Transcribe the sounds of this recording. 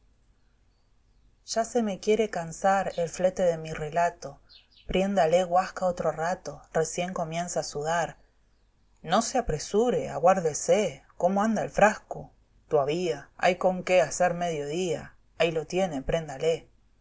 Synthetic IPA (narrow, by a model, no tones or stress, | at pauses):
ʒ̥ase̞me̞kje̞ɾe̞kansaɾelflet̪e̞ðemire̞lat̪o̞ | pɾje̞nd̪ale̞ɣwaskaot̪ɾorat̪o̞re̞sje̞ŋko̞mjẽ̞nsaːsuðaɾ | no̞seapɾesuɾea̰ɣwaɾðeseko̞moãnd̪aelfɾasko | t̪oaβiaa̰jko̞ŋkeaseɾmeðjo̞ðia̰ | ajlo̞t̪je̞ne̞pɾe̞nd̪ale